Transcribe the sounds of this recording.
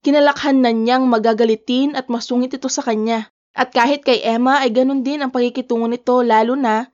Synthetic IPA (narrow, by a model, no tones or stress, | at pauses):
kɪnɐlɐkhanːɐɲaŋmɐɡaɡɐlɪt̪ɪnʔɐt̪̚mɐsuːŋɪt̪̚ɪt̪o̞sɐkɐɲa | ʔɐt̪̚kaːɦɪt̪̚kɐjʔɛmɐʔɐjɡɐno̞nd̪ɪnɐŋpɐɡ̚ikɪt̪uːŋonɪt̪o̞laːlʊnɐ